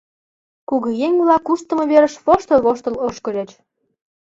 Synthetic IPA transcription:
kuɣɤjeŋʲβlɑkːuʃt̪ə̆mɤ̆βeɾə̆ʃβoʃt̪əlβoʃt̪ə̆loʃkɤ̆lʲet͡ɕ

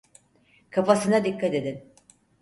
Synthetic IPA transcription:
kʰafasɯnad̪ikːat̪e̞d̪in

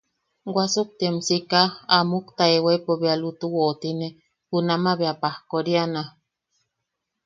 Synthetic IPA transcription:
ɡʷasuk̚t̪iemsikaamukt̪aewepoβealut̪uwot̪ine | hunamaβeapahkoɾiana

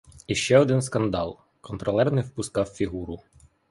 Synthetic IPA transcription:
iʃt͡ʃɛɔd̪ɪnskɐnd̪ɑ̰lˠ | kɔnt̪ɾɔlˠɛrnɪwpʊskɑwfʲiɦuɾʊ

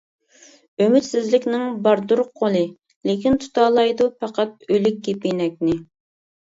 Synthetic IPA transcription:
ømyt̪sɪzlɪkʲnɪŋbɑɾd̪uɾqʰolˠɨ | lekʲint̪ʰu̥t̪ɑːlˠɑjd̪upɑqɑt̪̚ølɪk̚ʲɡʲepinɛk̚ʲnɪ

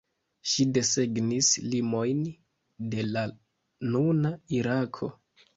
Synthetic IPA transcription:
ʃide̞se̞ɡnislimo̞jn | de̞la | nunaiɾakʰo̞̰

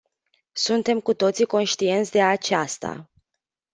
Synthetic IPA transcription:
sunt̪e̞mkut̪o̞t̪siko̞nʃt̪ie̞nt̪sʲd̪e̞at͡ʃast̪a̰

